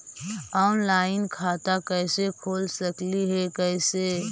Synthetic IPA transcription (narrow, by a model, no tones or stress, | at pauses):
ɔːnlaːɪnkʰaːt̪akɛːsekʰoːlsəkliɦɛkɛːse